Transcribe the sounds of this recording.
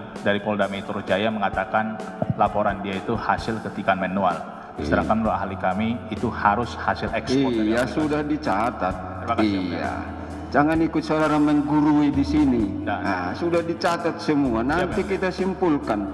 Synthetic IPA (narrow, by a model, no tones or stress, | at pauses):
daɾipɔldamit̪əɾusd͡ʒajaməŋat̪akan | lapoɾandiait̪uhasɪlkət̪ikanmanual | isəɾaŋkanloaɦalikamiːt̪uhaɾʊshasɪlɛksipɔasudahdit͡ʃat̪at̪̚ | aija̰ | d͡ʒaŋanikʊt̪̚sodaɾaməŋɡuɾuidisininaasudahdit͡ʃat̪at̪̚səmuanant̪ikit̪asimpulkan